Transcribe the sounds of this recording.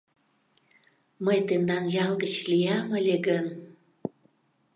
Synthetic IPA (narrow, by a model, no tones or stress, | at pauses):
məjt̪end̪ɑnjɑlɡət͡ɕlijɑməlʲeɡən